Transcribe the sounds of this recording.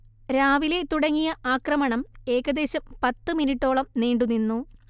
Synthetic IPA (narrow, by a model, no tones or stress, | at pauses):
ɾaːʋile̞t̪uɽɐŋːijɐʔaːkrɐmɐɳɐme̞ːɣɐd̪e̞ːɕɐmpɐt̪ːɨminiʈːo̞ːɭɐmneːɳɖuninːu